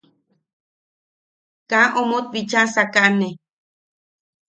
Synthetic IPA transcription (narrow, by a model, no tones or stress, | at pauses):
kãʔomot̪̚bit͡ʃasakaʔne